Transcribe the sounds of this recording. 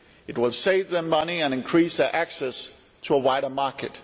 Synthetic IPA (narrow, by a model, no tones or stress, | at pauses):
ɨt̚wɪlˠseɪvðə˞mʌniɨ̃nɨ̃nkʰɹ̥isðə˞ʔæksɛs | tʰəəwaɪɾə˞mɑɹkɨt̚